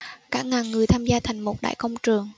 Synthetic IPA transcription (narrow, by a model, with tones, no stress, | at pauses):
kaː˦˥k̚ŋaː˨˩ŋːɨ˨˩əjt̪ʰaː˧mzaː˧t̪ʰa˨˩jŋ̟mo˨˩t̚ɗa̰ː˧˨jkə˧wŋ͡mt͡ɕɨ˨˩əŋ